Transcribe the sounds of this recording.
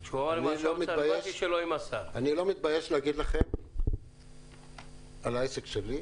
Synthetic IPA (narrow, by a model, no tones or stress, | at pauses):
ʃoilomibajeʃiʃeloimasaanilo̞mit̪̚bajeʃlehaɡid̪laχem | alejsekʃeli